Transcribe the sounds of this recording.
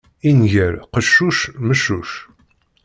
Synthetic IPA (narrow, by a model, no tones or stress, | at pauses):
inʝəɾqəʃːuʃməʃuʃ